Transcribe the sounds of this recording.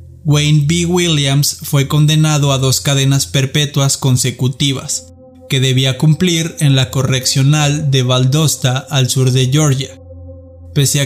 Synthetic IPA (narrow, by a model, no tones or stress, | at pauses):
ɡwejnbiwiljamsfwe̞ko̞nd̪e̞naðo̞aðo̞skaðe̞naspe̞ɾpe̞t̪wasko̞nse̞kut̪iβa̰s | ke̞ðe̞βiakumpliɾe̞nlako̞re̞ksjo̞nald̪e̞βald̪o̞st̪aʔːlsuɾðe̞ʝo̞ɾʝa | pe̞sea